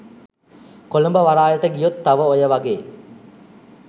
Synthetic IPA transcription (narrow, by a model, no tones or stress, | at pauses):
kolumbəʋaɾaːjəʈəɡijot̪ːaʋəojəʋaɡeː